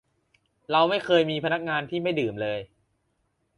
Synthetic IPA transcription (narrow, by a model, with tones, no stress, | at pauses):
ɾa˧wma˥˩jkʰɤː˧jmiː˧pʰa˧na˦˥k̚ŋaː˧nt̪ʰiː˥˩ma˥˩jdɯː˨˩mlɤː˧j